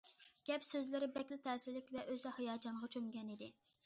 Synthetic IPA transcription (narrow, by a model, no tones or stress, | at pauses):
ɡ̥ʲɛpsøzlɪɾɪbɛkʲlɪt̪ʰɛːsɪlːɪkʲvɛʔøzɛhejɑːd͡ʒɑnʁɑt͡ʃʰømɡʲɛnid̪ɪ